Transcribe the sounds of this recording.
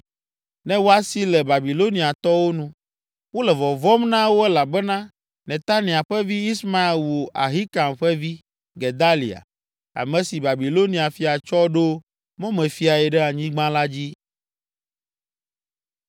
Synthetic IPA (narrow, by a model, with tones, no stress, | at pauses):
nɛ̃˦wo˦a˦si˦lɛ˨ba˨bi˨lo˦nĩ˨a˨t̪ɔ˦wo˦nũ˦ | wo˦lɛ˨vɔ˨vɔ˦mnã˦wo˦ɛ˦la˨bɛ˦nã˦ | nɛ̃˨t̪a˦nĩ˨a˨ɸɛ˦vi˦i˦sma˦e˨lwo˨ʔa˨ɦi˦ka˨mɸɛ˦vi˦ | ɡɛ˨d̪a˦lḭ˨a̰˨ | a̰˨mɛ̃˨si˨ba˨bi˨lo˦nĩ˨a˨fi˨a˨t͡ʃɔ˦ɖo˦ | mõ˦mɛ̃˨fi˦a˨ɛ˨ɖɛ˦a˨ɲĩ˦ɡ͡bã˦la˦d͡ʑi˦